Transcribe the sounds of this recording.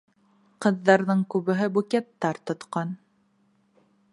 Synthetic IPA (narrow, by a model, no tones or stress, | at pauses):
qɤ̆ðːɑɾðɤɴkʉβɘ̆ɦɘbukʲɛt̪ːɑɾt̪ŏt̪qɑn